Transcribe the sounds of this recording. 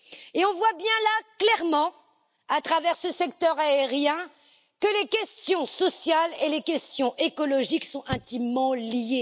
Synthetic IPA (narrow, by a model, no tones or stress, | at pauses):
eɔ̃vwabjɛ̃laklɛʁmɑ̃ | at̪χavɛʁsəsɛkt̪œʁaeʁjɛ̃ | kəlekʲɛst̪jɔ̃sɔsjalelekʲɛst̪jɔ̃ʔekɔlɔʒiksɔ̃ɛ̃t̪imːɑ̃lje